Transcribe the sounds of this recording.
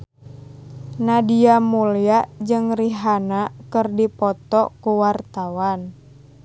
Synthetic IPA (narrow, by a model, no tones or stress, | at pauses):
nadiamuliad͡ʒɨŋriɦanakɨrdipɔt̪ɔkuwart̪awan